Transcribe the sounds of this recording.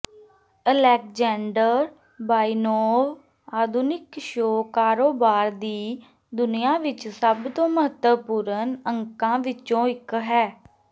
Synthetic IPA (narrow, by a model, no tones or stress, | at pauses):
əlɛːk̚d͡ʒɛːɳɖəɾ | baːiːnoːʋ | aːd̪ʱunɪkʃoːkaːɾoːbaːɾd̪iː | d̪ʊnɪjãːʋɪt͡ʃsəbt̪õːməɦət̪əpuːɾənəŋkãːʋɪt͡ʃõːɪkɦɛː